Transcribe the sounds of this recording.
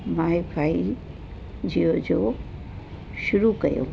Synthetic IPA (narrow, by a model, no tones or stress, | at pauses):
maːibʱaːi | d͡ʒiod͡ʒo | ʃʊɾukɐ̰jo̰